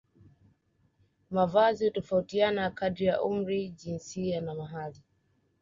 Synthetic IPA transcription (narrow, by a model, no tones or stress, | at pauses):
mavazihutɔfautianakadɾijaʔum̩ɾiʄinsianamaɦali